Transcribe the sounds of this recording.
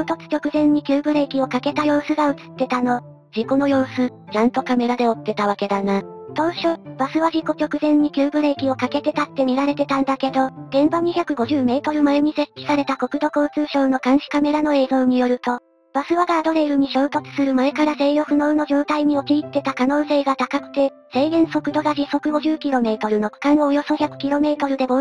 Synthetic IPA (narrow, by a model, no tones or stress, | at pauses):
oːt̪o̞t͡sɨ̥t͡ɕo̞kɯ̟zẽ̞ɲ̟ːikʲɨːbɯ̟ɾe̞kʲio̞kake̞t̪ajo̞ːsɨɡaɯ̟t͡sɨ̥t̪ːe̞t̪ano̞ | d͡ʑiko̞no̞jo̞ːsɨ | t͡ɕãnt̪o̞kame̞ɾad̪e̞o̞t̪ːe̞t̪aβ̞ake̞d̪anat̪o̞ːɕo̞ːb̥asɨβaʑiko̞t͡ɕo̞kɯ̟zẽ̞ɲ̟ɲːikʲɨːbɯ̟ɾe̞ːkʲio̞kake̞t̪e̞t̪at̪ːe̞mʲiɾaɾe̞t̪e̞t̪ãnd̪ake̞d̪o̞d̪̥ẽ̞mbaɲ̟içʲakɯ̟ɡo̞ʑɨːme̞ːt̪o̞ɾɯ̟maeɲ̟ise̞kʲːi̥saɾe̞t̪ako̞kɯ̟d̪o̞ko̞ːt͡sɨːɕo̞ːno̞kãɰ̃ɕi̥kame̞ɾano̞e̞ːzo̞ːɲ̟ijo̞ɾɯ̟t̪o̞ | b̥asɨβaɡaːd̪o̞ɾe̞iɾɯ̟ɲ̟iɕo̞ːt̪o̞t͡sɨ̥sɨɾɯ̟mae̞kaɾase̞ːjo̞ɸɯ̟no̞ːno̞ʑo̞ːt̪aiɲ̟io̞t͡ɕiːt̪ːe̞t̪akano̞ːse̞ːɡat̪akakɯ̟̥t̪e̞ | se̞ːɡẽ̞ɰ̃so̞kɯd̪o̞ɡaʑiso̞kɯ̟ɡo̞ʑɨːkʲiɾo̞me̞ːt̪o̞ɾɯ̟no̞kɯ̥kãñoojo̞so̞çakɯ̟̥kʲilo̞me̞ːt̪o̞ɾɯ̟d̪e̞mo